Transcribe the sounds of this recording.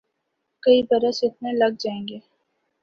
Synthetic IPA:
kɐibɐɾəsɪt̪mẽlɐɡ̚d͡ʒaːẽːŋɡeː

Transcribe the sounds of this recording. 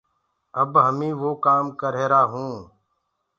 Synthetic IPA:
əbɦəmĩːʋoːkaːmkəɾeːɾaːɦũː

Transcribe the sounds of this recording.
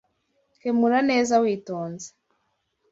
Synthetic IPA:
kemuɾane̞ːzawiːtoːnze̥

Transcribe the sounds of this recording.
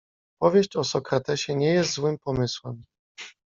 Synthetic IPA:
pɔvʲjeɕt͡ɕɔsɔkɾat̪ɛɕɛɲɛjɛst̪zwɘmpɔmɘswɛm

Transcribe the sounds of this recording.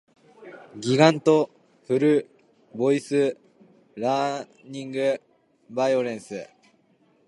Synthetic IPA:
ɡʲiɡãnt̪o̞ | ɸɯ̟ɾɯ̟ | bo̞isɨ | ɾã | ɲĩŋɡɯ | baioɾẽ̞ɰ̃sɨ

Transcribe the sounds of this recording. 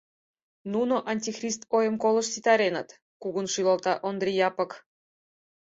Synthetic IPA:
nunoʔɑnʲtʲixrʲist̪ojəmkolˠəʃsit̪ɑɾenət̪ | kuɣunʃylɑlt̪ɑʔond̪rʲijɑpɤ̆k

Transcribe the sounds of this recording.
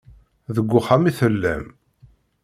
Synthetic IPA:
ðəɡʷːʊχamiθəlːæ̰m

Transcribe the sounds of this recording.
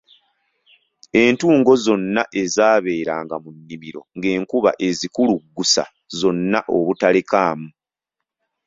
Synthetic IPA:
e̞ːntuːŋɡo̞zo̞nːaʔe̞zaːβe̞ːɾaːŋɡamunːimiɾo̞ŋɡe̞ːŋkuβa̰ʔe̞zikuluɡːusa̰ | zo̞nːaʔo̞βutalekaːmu

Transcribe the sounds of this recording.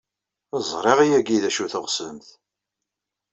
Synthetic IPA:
əzˤɾˤeʁijæɡiðæʃuθəʁsəmθ

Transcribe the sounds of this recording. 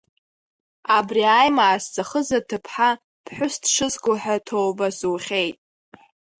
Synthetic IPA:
abriajmaːst͡sʰʼaχəzatʰɨpʰħa | pʰħᶣʷʊstʰʂɨzɡʷʊħatʰowbasuːχʲejtʼ

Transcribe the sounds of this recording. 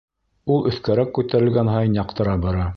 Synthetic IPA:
ulˠɵ̆θkæɾækːʉt̪æɾɘ̆lɡænɦɑjnjɑqt̪ɤ̆ɾɑbɑɾɑ

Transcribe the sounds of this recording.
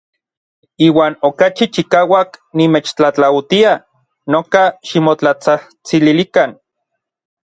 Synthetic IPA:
iːwaːnokat͡ʃit͡ʃikaːwaknimeːt͡ʃt͡ɬat͡ɬawt̪ia | nokaʃimot͡ɬat͡sah | t͡sililikan

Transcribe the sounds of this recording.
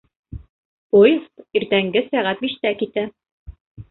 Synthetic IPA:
pojɤsiɾt̪æŋɡɘsæʁæt̪̚biʃt̪ækit̪æ

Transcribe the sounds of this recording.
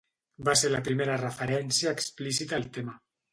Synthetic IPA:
baseɾlapɾimeɾarəfəɾɛnsjaːksplisit̪alt̪ema

